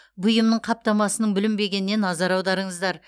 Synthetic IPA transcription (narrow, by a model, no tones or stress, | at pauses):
bʊjəmnəɴqʰɑp̚t̪ɑmɑsənəɴbɪlɪmbe̞ɡʲe̞nɪnːe̞nːɑzɑɾɑwd̪ɑɾəɴəzd̪ɑɾ